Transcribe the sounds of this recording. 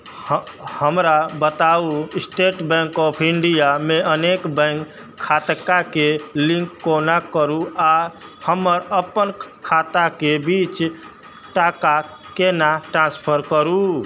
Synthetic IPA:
həmɾabət̪ausʈeʈbɛ̃ŋkɔpʰiɳɖijameənekbɛ̃ŋkʰː | at̪kakelĩŋkːonakəɾua | həməɾəpənkʰat̪akebit͡ʃ | ʈaka | kenaʈɾãnspʰəɾkəɾu

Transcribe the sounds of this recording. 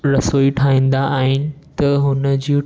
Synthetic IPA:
ɾɐsoːiʈʰaːĩːnd̪aaːɦɪnɪ̆t̪ɐɦʊnə̆d͡ʑiː

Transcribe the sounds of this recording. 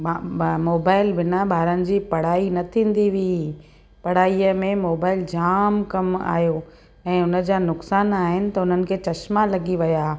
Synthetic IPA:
moːbaːɪlbɪnaɓʱaːɾənɪ̆d͡ʑiːpɐɽ̤aːinɐt̪ʰĩːn̆d̪iʋi | pɐɽ̤aːiəmẽmoːbaːɪld͡ʑaːmkɐma̰ːɦjo | ɛ̃ːʊnə̆d͡ʑaːnʊksaːnaːɦɪnɪ̆t̪ɐʊn̤ənɪ̆kʰeːt͡ɕɐɕmalɐɡiʋɐjaː

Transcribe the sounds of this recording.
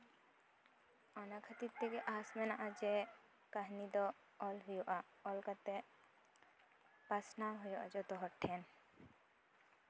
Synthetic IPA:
ɔnakʰat̪it̪ːɛkɛʔasmɛnaʔad͡ʒɛ | kaɦnid̪ɔː | lɦujɔʔa | ɔlkat̪ɛ | pasnaɦɔjɔʔad͡ʒɔt̪ɔɦɔʈʰːɛn

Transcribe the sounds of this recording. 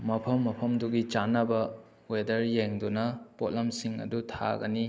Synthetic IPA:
mɐpʰɐmːɐpʰɐmduɡit͡ʃanɐbɐ | wedɐɾjeŋdunɐpotlɐmsiŋɐ̰dutʰa̰ɡɐ̰ni

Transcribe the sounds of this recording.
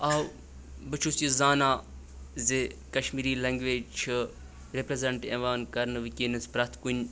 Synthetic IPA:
aː | bɨt͡ʃʰusizaːnaː | zekɐʃmiːɾiːlɐːŋɡʋeːd͡ʒt͡ʃʰɨ | ɾepɾezɐɳʈeːʋaːnkɐɾnɨʋɨkʲinɐspɾɐt̪ʰkunʲ

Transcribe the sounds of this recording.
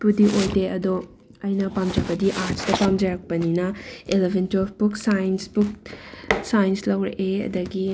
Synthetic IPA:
pudiʔojdeɐdo | ɐjnɐpamd͡ʒɐbɐdiʔastɐpamd͡ʒɐɾɐk̚pɐninɐelebʱentofbuksajnsbuk̚ | sajnslɐwɾɐ̰ʔeɐ̰dɐɡi

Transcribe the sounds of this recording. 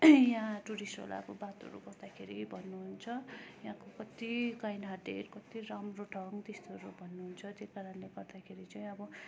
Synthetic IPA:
jãʈuɾisʈo̰la̰kobat̪ʌ̰ɾṵɡʌrd̪akʰeɾibʱʌnːuɦunt͡sʰʌjaɦãkokʌt̪ikajnɦaɖḛrkʌt̪iɾamroʈʰʌŋt̪est̪oɾobʱʌnːuɦunt͡sʰʌt̪jekaɾʌnleɡʌrd̪akʰeɾit͡saj̃ʌbʌ

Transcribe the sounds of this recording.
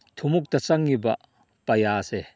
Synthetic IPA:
t̪ʰumuk̚t̪ɐt͡sɐŋːiba̰ʔ | pɐjaːsɛ

